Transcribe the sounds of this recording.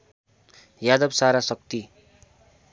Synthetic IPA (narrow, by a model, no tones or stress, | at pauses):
jad̪ʌbsaɾasʌk̚t̪i